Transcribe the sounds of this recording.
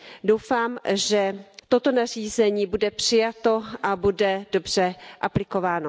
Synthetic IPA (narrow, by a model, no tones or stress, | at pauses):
dowfaːmʒɛt̪o̞t̪o̞nar̝iːzɛɲiːbudɛpr̥ɪjat̪o̞ʔabudɛdo̞br̝̥ɛʔaplɪko̞vaːno